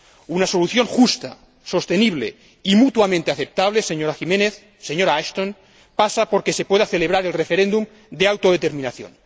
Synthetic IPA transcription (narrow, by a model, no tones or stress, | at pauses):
unaso̞luθjo̞ŋxust̪a̰ | so̞st̪e̞niβlḛ | imut̪uamẽnt̪eaθep̚t̪aβleseɲoɾaximẽneθ | seɲoɾaaʃt̪on | pasapo̞ɾke̞sepweðaθe̞leβ̞ɾaɾelrefeɾend̪um | d̪eawt̪o̞ð̞et̪eɾmĩnaθjo̰n